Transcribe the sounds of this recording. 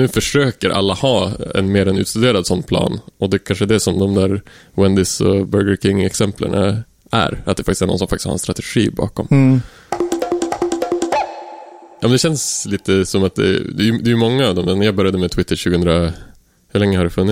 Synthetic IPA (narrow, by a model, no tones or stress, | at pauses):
nʉ̟ːfœʂøːkəɾʔa̰lːahɑːɛ̰nmeːɾɛnʉ̰ːt̪st̪ɵd̪eːɾad̪sɔnːpʰlɑ̰ːnɔd̪ɛkʰanʂəd̪ɛsɔmd̪ɔmd̪æːɾwɛnd̪ɪsɔ̰bœɾɡəɾkʰɪŋːɛksɛmpʰlə̰ɳa̰ | ʔæ̰ɾat̪̚d̪ɛfakt̪ɪsæɾɳɔ̰nsɔmfakt̪ɪ̥stha̰ɾɛ̰nst̪ɾat̪ɛɧḭːbɑ̰ːkɔ̰m | jɑːmɛnd̪ɛɕɛnsliːt̪əsɔmat̪̚d̪ɛ̰d̪ɛjd̪ɛjʏmɔŋːaːvd̪ɔmɛnjɑːɡbœɾjad̪əmɛt̪ʰwɪt̪ːəɾɕʉ̟ːɡəɵnd̪ɾa | hɵɭɛŋːəhaɖɛfɵnːɪ